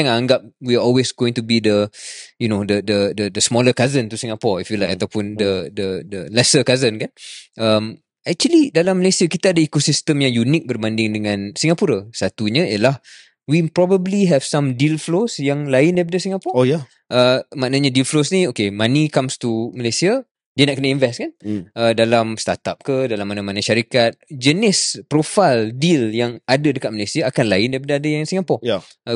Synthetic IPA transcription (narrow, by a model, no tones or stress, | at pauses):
aŋaŋɡap̚wiaɔlwesɡoɪ̃ŋt̪ubid̪əjunodədədədəsmɔləkazənt̪usiŋapɔifjulajkat̪awpʊndədədəlɛsəkazənkanʔəm | ɛk̚t͡ʃuəlidalamːəlesiakit̪aadəikosist̪əmjaŋjunik̚bərbandɪŋdəŋãnsiŋapuɾasat̪uɲəjəlah | wipɾɔbəbliɦɛv̥sãmdilflosjaŋlaɪndaipadəsiŋapɔja | ʔəmãʔnaɲadilflosnĩokemanikamst̪uməlesia | diənaʔkənaĩnvɛskanədalamst̪a̰t̪ap̚kədalamːanamanaʃaɾikat̪̚d͡ʒənɪspɾofaldiljaŋadadəkat̪̚məlajsiaːkanlaɪndajp̬adəadəjaŋsiŋapɔj